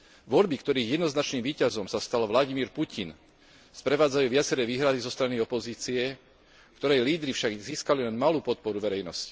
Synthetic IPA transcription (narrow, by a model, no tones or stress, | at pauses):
ʋɔʎbikt̪ɔɾiːɣjɛd̪nɔznat͡ʃniːmʋiːcazɔmsast̪alʋlaɟimiːɾpucin | spɾɛʋaːd͡zajuːʋɪat͡sɛɾɛːʋiːɦɾad̪izɔst̪ɾaniɔpɔziːt͡siɛ | kt̪ɔɾɛjliːd̪ɾifʃaɡziːskalilɛnmaluːpɔt̪̚pɔɾuʋɛɾɛjnɔsci̥